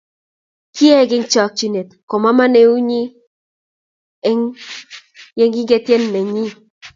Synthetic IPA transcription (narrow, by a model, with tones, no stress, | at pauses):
ki˦e˦ɡɪ˦ŋt͡ʃɔ˨k̚t͡ʃi˦ne˨t̪kɔ˨ma˦ma˦ne˨u˦ɲi˦ | ŋ | je˦ŋɡɪ˦ŋɡe˦t̪je˦nːɛ˨ɲi˦